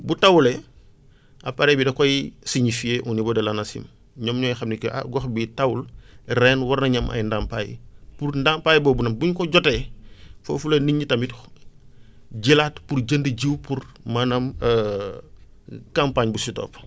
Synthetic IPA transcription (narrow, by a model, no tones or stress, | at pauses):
butɐwulɛ | ɐpɐɾɛːbidɐkɔjsiɲifieʔunibɔdɐlɐnɐsḭm | ɲɔːmɲɔjixɐmnikɛʔa̰ɡɔxbitɐwulrɛːnwɐrnɐɲɐmʔɐ̰jndampaːjḭpurndampaːjibɔːbunɐmbuɲkɔɟɔtɛfo̰fulɐniɲːitɐmitx | ɟilatpurɟəndəɟiwpurmɐnɐmə | kɐmpaːɲbusitɔ̰ːp